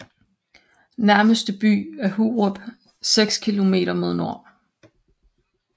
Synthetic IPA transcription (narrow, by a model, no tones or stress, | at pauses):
næɐməsd̥əb̥y̰ːæɐhuːob̥ | seɡ̥skʰilo̝me̝̰ːɾ̥ɐmo̝ð̞ˠno̝ɐ̰